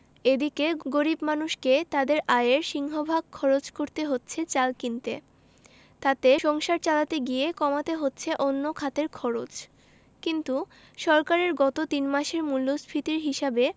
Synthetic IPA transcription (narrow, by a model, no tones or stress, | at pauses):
ed̪ikeɡoɾibmanuʃket̪ad̪eɾʔaeɾʃiŋɦobʱaɡ̚kʰɔɾot͡ɕkoɾt̪eɦotːɕʰet͡ɕalkint̪e | t̪at̪eʃɔŋʃaɾt͡ɕalat̪eɡijekɔmat̪eɦotːɕʰeʔonːokʰat̪eɾkʰɔɾot͡ɕ | kint̪u | ʃɔɾkaɾeɾɡɔt̪ot̪inmaʃeɾmulːosbʰʱɾit̪iɾɦiʃabe